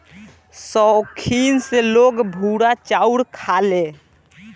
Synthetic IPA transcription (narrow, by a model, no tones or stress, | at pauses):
sɔkʰinseloɡbʱuɽat͡ʃauɽkʰale